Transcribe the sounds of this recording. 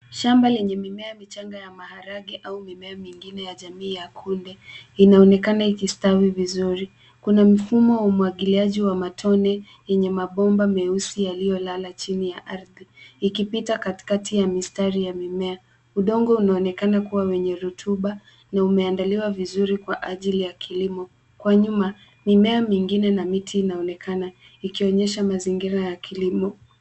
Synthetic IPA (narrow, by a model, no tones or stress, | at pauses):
ʃambalɛɲɛmimɛamit͡ʃaŋɡajamahaɾaɠiʔaumimɛamiŋɡinɛjaʄamiːjakʰundɛinaɔnɛkanaikistawivizuɾi | kunam̩fumɔwaumuaɠiliaʄiwamatʰɔnɛ | jɛɲɛmaɓɔmbamɛusijalijɔlalat͡ʃinijaʔaɾðiikipitakati̥katʰijamistaɾijamimɛa | uɗɔŋɡɔunaɔnɛkanakuwawɛɲɛɾutʰuɓa | naumɛandaliwavizuɾikwaʔaʄilijakʰilimɔ | kwaɲuma | mimɛamiŋɡinɛnamitʰiːnaɔnɛkʰana | ikiɔɲɛʃamaziŋɡiɾajakʰilimɔ